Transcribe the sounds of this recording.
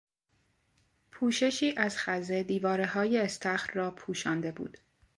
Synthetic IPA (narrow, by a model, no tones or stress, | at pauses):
pʰuːʃe̞ʃiːʔæzxæze̞d̪iːvɒːɾeɦɒːje̞ːst̪ʰæxɾrɒːpʰuːʃɒːnd̪e̞bṵːd̪̥